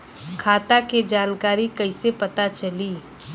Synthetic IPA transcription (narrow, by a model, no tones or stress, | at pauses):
kʰaːt̪aked͡ʒaːnkaːɾikɐɪsepɐt̪at͡ʃɐli